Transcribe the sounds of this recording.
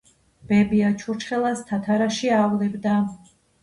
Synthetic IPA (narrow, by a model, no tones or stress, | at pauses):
b̥ɛbiat͡ʃʰuɾt͡ʃʰχɛlˠast̪ʰat̪ʰaɾaʃiavlɛbd̪a